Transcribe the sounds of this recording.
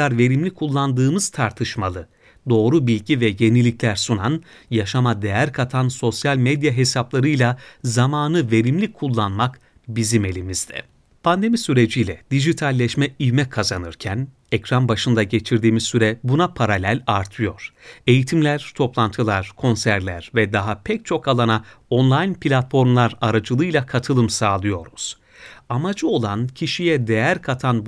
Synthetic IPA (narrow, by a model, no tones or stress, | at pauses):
aɾve̞ɾimlʲikʰulˠːand̪ɯːmɯz̥t̪ʰaɾt̪ʰɯʃmalˠɯ | d̪o̞ːɾubilʲɟivɛje̞nilʲiclʲæɾsunan | jaʃamad̪ejæɾkʰat̪ʰanso̞sjalʲmed̪jaɦe̞saplˠaɾɯjlʲˠazamaːnɯve̞ɾimlʲikʰːulˠːanmak | bizime̞lʲimiz̥d̪ɛ̰ | pʰand̪e̞misyɾe̞d͡ʒijlʲɛd̪̥iʒit̪ʰalʲːɛʃmɛijmɛkʰazanɯɾcʰæn | ɛcɾanbaʃɯnd̪aɟe̞t͡ʃʰiɾd̪iːmizsyɾɛbunapʰaɾalʲælʲaɾt̪ʰɯjo̞ɾ̥e̞jit̪ʰimlʲæɾ̥t̪ʰo̞plˠant̪ʰɯlˠaɾ̥kʰo̞nsæɾlʲæɾ̥vɛd̪aɦapʰɛc̚t͡ʃʰo̞kalˠanao̞nlˠajnpʰilʲat̪fo̞ɾmlˠaɾaɾad͡ʒɯlˠɯjlʲˠakʰat̪ʰɯlˠɯmsaːlˠɯjo̞ɾuz̥ | amad͡ʒɯo̞lˠancʰiʃijɛd̪e̞jæɾkʰat̪ʰan